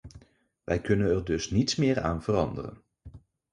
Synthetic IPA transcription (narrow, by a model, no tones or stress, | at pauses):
ʋɛjkɵnənɛɹdɵsnitsmɪːɹa̰ːnv̥ərɑndərə̰n